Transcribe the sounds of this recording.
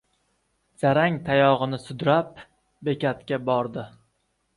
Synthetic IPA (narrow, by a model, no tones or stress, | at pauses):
z̥aɾaŋt̪ʰajɒʁɨnɪsʊd̪ɾap̚ | be̞kʲat̪kʲabɒɾd̪ɪ